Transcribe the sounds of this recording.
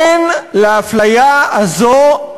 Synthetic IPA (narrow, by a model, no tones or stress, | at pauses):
nlaaflajaazo